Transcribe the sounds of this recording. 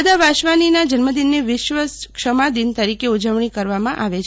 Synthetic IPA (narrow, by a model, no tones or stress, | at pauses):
d̪aʋaʃʋaninad͡ʒənməd̪inːeʋɪʃʋəskʃəmad̪int̪əɾikeud͡ʒəʋɳikəɾʋamãʔaʋet͡ʃʰ